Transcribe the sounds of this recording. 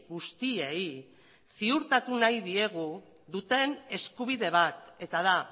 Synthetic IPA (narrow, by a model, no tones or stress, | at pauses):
ɣust̪iei | siuɾt̪at̪unajðie̞ɣ̞u | ðut̪e̞ne̞skuβ̞iðe̞β̞at̪e̞t̪að̞a